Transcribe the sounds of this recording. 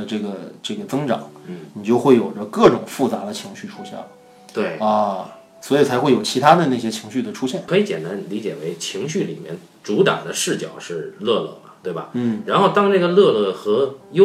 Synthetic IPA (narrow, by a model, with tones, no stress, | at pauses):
əʈ͡ʂɤ˥˩ɡə˩ʈ͡ʂɤ˥˩ɡə˩t͡sɤ˥ŋʈ͡ʂɑ̰˨˩˦ŋni˨˩t͡ɕjo˥˧ʊxwe˥˩ɪjo˨˩ʊʈ͡ʂə˦kɤ˥˩ʈ͡ʂʊ˨˩ŋfu˥˩t͡sa˧˥d̪ə˧t͡ɕʰi˧˥ŋɕy˥˩ʈ͡ʂʰu˥ɕjɛ̰˥˩ə˩ | t̪we˥˩ɪɐ˥˧ | swɔ˧˥i˨˩t͡sʰa˧˥ɪxwe˥˩ɪjo˨˩ʊt͡ɕʰi˧˥t̪ʰa˥d̪ə˨na˥˩ɕjɛ˥t͡ɕʰi˧˥ŋɕy˥˩d̪ə˩ʈ͡ʂʰu˥ɕjɛ˥˩nʰɤ˧˥i˧˥t͡ɕjɛ̰˨˩nt̪a˧˥nli˧˥t͡ɕjɛ̰˨˩we˧˥ɪt͡ɕʰi˧˥ŋɕy˥˩li˨˩mjɛ̰˥˧n | ʈ͡ʂu˧˥t̪ɑ̰˨˩ŋd̪ə˦ʂɻ̩˥˩t͡ɕjɑ˨˩ʊʂɻ̩˥˧lɤ˥˧lɤ̰˥˩mɐ˩t̪we˥˩ɪbɐ̰˩n̩˥˩ɻa˧˥nxo˥˩ʊt̪ɑ˥ŋna˥˩ɡə˩lɤ˥˧lɤ˥˩xɤ˧˥jo˥